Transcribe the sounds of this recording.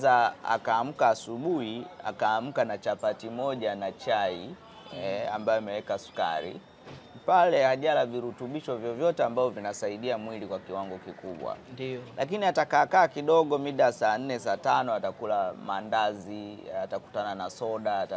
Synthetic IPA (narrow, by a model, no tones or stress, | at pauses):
aa̰kaːm̩kaːsuɓuhia̰kaːm̩kanat͡ʃapatimɔʄanat͡ʃai | ɛambajɔimɛwɛkasu̥ka̰ɾḭ | palɛhaʄalaviɾutuɓiʃɔvjɔvjɔtɛambavɔvinasaiɗiamwilikwakiwaŋɡɔkikuɓwa̰nlʔakiniatakakaːkiɗɔɠɔmiɗasan̩nːɛsatanɔatakulamandaziataku̥tananasɔɗaːta